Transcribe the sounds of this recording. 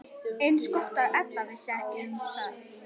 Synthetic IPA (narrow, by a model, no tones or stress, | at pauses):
ejnskɔht̪aðʔɛt̪̚navɪsɛhkɪθað